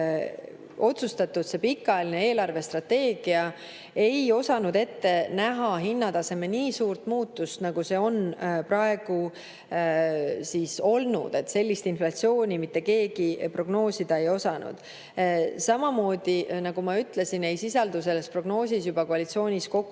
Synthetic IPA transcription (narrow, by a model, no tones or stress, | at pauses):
o̞t̪sust̪ɑt̪ːˑud̪̥se̞pikːˑɑjeline̞eːlɑrve̞st̪rɑt̪ːe̞ːɡ̥iɑ | e̞jo̞sɑnud̪e̞t̪ːe̞næɦɑɦinːɑd̪ɑse̞meniːsuːrt̪muːt̪ːˑust̪nɑɡ̥use̞o̞npɾɑe̞ɡ̥u | siso̞lnṵd̪̥e̞t̪se̞lʲːist̪inflɑt̪sio̞ːnʲimit̪ːˑe̞ke̞ːɡ̥ipro̞ɡ̥no̞ːsid̪ɑe̞jo̞sɑnṵd̪̥ | sɑmɑmo̞ːd̪̥inɑɡumɑyt̪ːle̞sine̞jsisɑld̪use̞lːe̞spro̞ɡ̥no̞ːsisjubɑkoɑlit̪sio̞ːnʲisko̞kːˑ